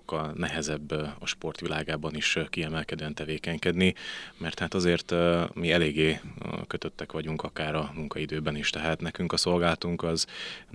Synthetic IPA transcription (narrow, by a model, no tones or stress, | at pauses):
kːɒlnɛɦɛzɛbːɒʃpo̞rt̪ʋilʔaːɡaːbɒniʃkiɛmɛlkɛd̪øːɛnt̪ɛveːkɛɲkɛd̪nimɛrt̪haːt̪ɒzeːrt̪miɛleːɡːeːkø̞t̪ø̞t̪ːɛkʋɒɟuŋkɒkaːɾɒmuŋkɒid̪øːbɛniʃt̪ɛɦaːt̪nɛkyŋkɒso̞lɡaːlɒt̪uŋkɒz